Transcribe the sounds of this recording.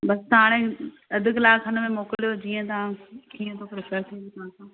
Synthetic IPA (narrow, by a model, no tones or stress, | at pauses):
bɐst̪ãːɽ̃ẽ | ɐd̪ʱʊ̆kɪlaːkʰɐnəmẽmoːkɪlijod͡ʑiːə̃t̪ɐãkiːə̃t̪ʰopɾɪpʰəɾt̪ʰid̪it̪ãsãː